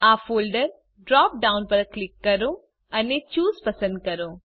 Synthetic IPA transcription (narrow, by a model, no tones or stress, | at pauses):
aːfoːlɖɐɾ | ɖɾaːp̚ɖawnpɐɾɐklikːɐɾu | ɐnːet͡ʃuːspɐsɐ̃nd̪̚kɐɾuː